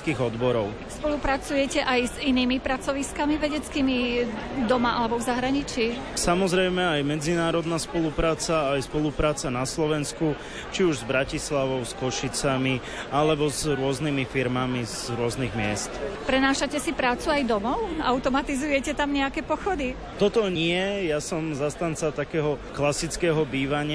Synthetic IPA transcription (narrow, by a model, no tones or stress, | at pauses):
kiːɣɔd̪bɔɾɔʊ | spɔlupɾat͡sujɛcɛʔajziniːmipɾat͡sɔʋiskamiʋɛɟɛt͡skiːmid̪ɔmaʔalɛbɔvzaɦɾaɲit͡ʃiː | samɔzɾɛjmɛajmɛd͡zinaːɾɔd̪naspɔlupɾaːt͡saːjspɔlupɾaːt͡sanaslɔʋɛnsku | t͡ʃiuʒzbɾacislaʋɔʊskɔʃit͡sami | alɛbɔzɾʊɔznimifiɾmamizɾʊɔzniɣmɪɛst̪pɾɛnaːʃacɛsipɾaːt͡suajd̪ɔmɔʊʔaʊt̪ɔmat̪izujɛcɛt̪amɲɛakɛpɔxɔd̪i | t̪ɔt̪ɔɲɪɛjasɔmzast̪ant͡sat̪akɛːɦɔklasit͡skɛːɦɔbiːʋaɲɪ